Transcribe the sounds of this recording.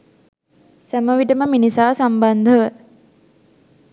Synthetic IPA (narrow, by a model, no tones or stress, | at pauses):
sæməʋiʈəməminisaːsamband̪ʱəʋə